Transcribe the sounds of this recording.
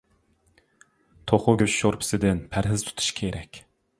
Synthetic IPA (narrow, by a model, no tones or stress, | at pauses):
t̪ʰoχʊɡʲøt͡ʃʃoɾpʰɪ̥sɪd̪ɪnpʰæɾɦɪz̥t̪ʰu̥t̪ʰu̥ʃkʲʰeɾʔɛkʲ